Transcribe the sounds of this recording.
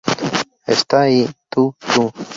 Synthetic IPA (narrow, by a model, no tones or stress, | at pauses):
est̪ait̪ut͡ʃu